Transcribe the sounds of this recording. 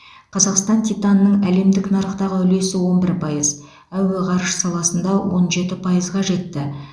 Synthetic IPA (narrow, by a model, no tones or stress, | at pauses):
qʰɑzɑqst̪ɑnt̪ʰʲijt̪ɑnːəɴæle̞md̪ɪknɑɾəqt̪ɑʁəʏle̞sɪwo̞nbɪɾpʰɑjəz | æwe̞ʁɑɾəʃsɑlˠɑsənd̪ɑwo̞̰nʒe̞t̪ɪpʰɑjəzʁɑʒe̞t̪ːɪ